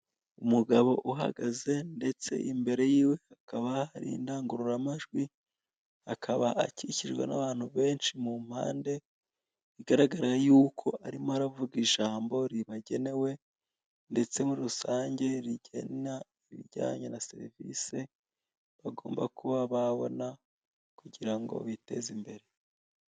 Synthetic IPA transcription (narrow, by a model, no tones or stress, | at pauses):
umuɡaβo̞ʔuɦa̰ɡaze̞nde̞t͡se̞̰ʔimbe̞ɾe̞jiːwe̞akaβaaɾḭːndaːŋɡuɾuɾamaʒɡwi | akʰaβaʔaciciʒɡwḛna̰βaːn̥huβe̞ːnʃimum̥ha̰ːnde̞ | iɡaɾaɡaɾajuːkʰo̞ʔaɾimoaɾavuɡiʒaːmbo̞ɾiβaɟe̞ne̞we̞ | nde̞t͡se̞muɾusaːɲɟe̞ɾiɟe̞̰na | iβḭɟa̰ːɲenase̞̰ɾivḭːse̞ | βaɡoːmba̰kuβaβaβo̞̰na | kuɟiɾaŋɡo̞̰βite̞̰zimbe̞ɾe̞